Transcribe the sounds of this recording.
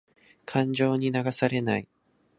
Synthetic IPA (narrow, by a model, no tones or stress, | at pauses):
kʰãɲd͡ʑo̞ːɲ̟inaɡasaɾe̞nai